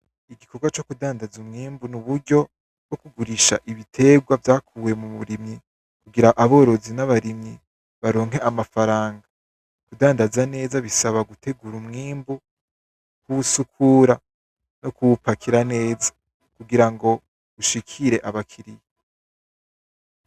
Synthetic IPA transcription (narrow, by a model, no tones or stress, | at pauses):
iɡikʰo̞ɡwat͡ʃo̞kudaːndazumŋiːmbunuβuɾɟo̞ | bwo̞kuɡuɾiʃa̰ʔiβitʰe̞ɡwavjaːkʰuːwe̞muβuɾimɲi | kuɡiɾaʔaβo̞ɾo̞zinaβaɾimɲi | βaɾo̞ːŋɦe̞ʔamafaɾaːŋɡa | kudaːndazane̞ːzaβisaβaɡutʰe̞ɡuɾumŋiːmbu | kuβusukʰuɾa | no̞kuupakʰiɾane̞ːzḁ | kuɡiɾaŋɡo̞ | ɡuʃikʰiɾe̞ʔaβakʰiɾije